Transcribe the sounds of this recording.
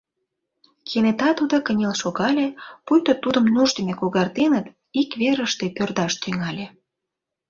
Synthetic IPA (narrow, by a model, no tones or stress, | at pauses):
kʰenet̪ɑt̪ud̪okə̆nʲelʃoɣɑlʲepujt̪ot̪ud̪ə̆mnuʒd̪əmʲekoɣɑrt̪enət̪ | ikβeɾəʃt̪epørd̪ɑʃt̪yŋɑlʲe